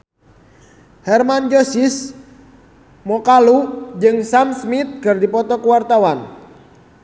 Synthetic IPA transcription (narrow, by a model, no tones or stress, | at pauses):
hɛrmand͡ʒosis | mɔkalud͡ʒɨŋsamsmit̪̚kɨrdipɔt̪ɔkuwart̪awan